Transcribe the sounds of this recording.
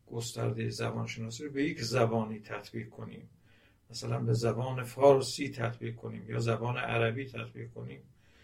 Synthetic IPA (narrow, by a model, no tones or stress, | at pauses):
ɡ̥ost̪æ̰ɾd̪ejezæbɒːnʃenɒːsiːɾobe̞jecʰzæbɒːniːt̪ʰæt̪ʰbiːqkʰo̞nḭːm | mæsælænbe̞zæbɒːne̞fɒːɾsiːt̪ʰæt̪ʰbiːq̚kʰo̞niːmjɒːzæbɒːneʔæ̰ɾæbiːt̪ʰæt̪bḭːqkʰo̞niːm